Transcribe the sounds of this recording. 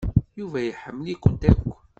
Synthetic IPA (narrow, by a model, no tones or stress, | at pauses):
juvæjəħəmːəlikʷʊnt̪ækʷː